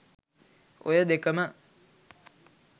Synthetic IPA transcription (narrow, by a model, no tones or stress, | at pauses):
o̰jəd̪ekəmə